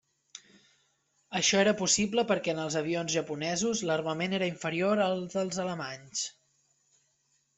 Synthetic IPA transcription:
əʃɔeɾəpusibləpəɾkɛənəlˠzəβ̞ionzʒəpunɛzuzlərməmeneɾəiɱfəɾioɾəlˠdəlˠzələmaɲs

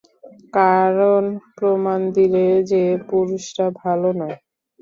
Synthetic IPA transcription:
kaɾonpɾomand̪iled͡ʑepuɾuʃʈabʱalonɔe

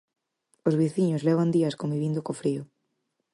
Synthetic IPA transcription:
ozβiθiɲʊzlɛβ̞and̪iɐskombiβind̪okofɾiʊ

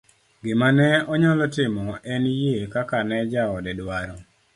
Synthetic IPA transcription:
ɡɪmanɛɔɲɔlɔtɪmɔɛnjekakanɛd͡ʒaɔdɛdwaɾɔ

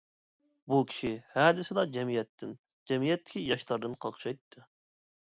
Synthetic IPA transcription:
bukʲʰi̥ʃihæːd̪ɪsɪd̪ɑd͡ʒɛmijɛt̪ʰːɪn | d͡ʒɛmijɛt̪ːɪ̥kʲʰijɑʃt̪ˠɑɾd̪ɨnqʰɑqʃɑjt̪ʰːɨ

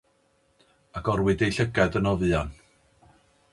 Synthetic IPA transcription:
aɡɔrwɪdejɬəɡɛdənɔvɨɔn

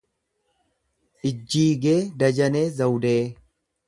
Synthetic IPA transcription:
ʔɪd͡ʒːiːɡe̞ːd̪ɐd͡ʒɐne̞ːzɐwd̪eː

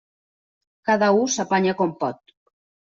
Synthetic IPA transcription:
kaðausapaɲakompɔt̪

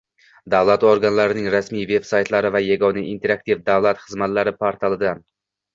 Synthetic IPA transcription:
d̪avlˠat̪oɾɡanlaɾɪnɪŋɾasmijve̞b̥sajt̪ʰlaɾɪvajaɡɒnaint̪ʰe̞ɾak̚t̪ʰivd̪avlˠat̪χɨzmat̪laɾɪpʰaɾt̪ʰalˠɪd̪an

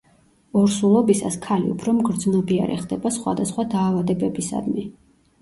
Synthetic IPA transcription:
ɔɾsulˠɔbisa̰skʰalḭṵpʰɾɔmɡɾd̪znɔbia̰ɾɛ̰χd̪ɛbasχwa̰d̪asχwad̪aːvad̪ɛbɛbisa̰d̪mi

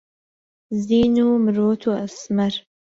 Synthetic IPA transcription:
ziːnuːmɨɾoːt̪ʰuːɐsmɐɾ

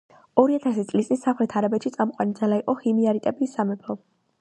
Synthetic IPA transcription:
ɔɾiat̪ʰasit̪sʼlist̪ʼinsamχɾɛt̪ʰaɾabɛt̪ʃit̪sʼamqʼwa̰nid̪zalaiqʼɔχimiaɾit̪ʼɛbisːamɛpʰɔ

